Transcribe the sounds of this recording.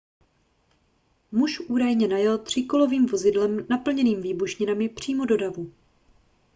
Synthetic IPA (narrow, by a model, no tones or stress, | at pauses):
muʃʔuːdajɲɛnajɛlt̪r̝̥ɪko̞lo̞viːmvo̞zɪdlɛmnapl̩ɲɛniːmviːbuʃɲɪnamɪpr̝̥iːmo̞do̞davu